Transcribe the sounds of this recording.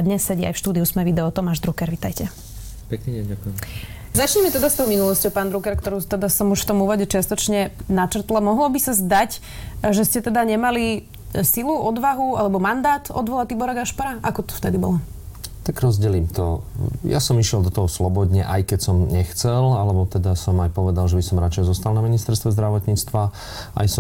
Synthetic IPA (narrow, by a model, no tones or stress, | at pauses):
d̪ɲɛsːɛɟia̰jfʃt̪uːd̪iusmɛʋid̪ɛɔt̪ɔmaːʒd̪ɾukɛɾʋit̪ajcɛ | pɛkniɛɲɟakujɛm | zat͡ʃɲɛmɛt̪ɛd̪ast̪ɔʊminulɔscɔʊpaːnd̪ɾukɛɾkt̪ɔɾuːt̪ɛd̪asɔmuʃft̪ɔmuːʋɔɟɛt͡ʃɪast̪ɔt͡ʃɲɛnat͡ʃr̩t̪lamɔɦlɔbisazd̪ac | ʒɛscɛt̪ɛd̪aɲɛmali | siluːʔɔd̪ʋaɦua̰lɛbɔmand̪aːt̪ɔ̰d̪ʋɔlat̪ibɔɾaɡaʃpaɾaʔakɔt̪ɔ̥ft̪ɛd̪ibɔ̰lɔ | t̪aɡɾɔzɟɛliːmt̪ɔja̰sɔmiʃɪɛlˠd̪ɔt̪ɔɦɔslɔbɔd̪ɲɛʔajkɛcsɔmɲɛxt͡sɛlalɛbɔt̪ɛd̪asɔmajpɔʋɛd̪alʒɛbisɔmɾat͡ʃɛjɛzɔst̪alˠnaminist̪ɛɾst̪ʋɛzd̪ɾaʋɔt̪ɲiːt͡st̪ʋa | a̰jsɔ